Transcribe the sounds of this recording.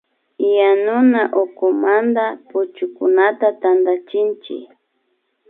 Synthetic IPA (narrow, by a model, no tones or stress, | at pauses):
janʊnaʔokʊmand̪apʊt͡ʃʊkʊnat̪at̪and̪at͡ʃɪnt͡ʃɪ̰k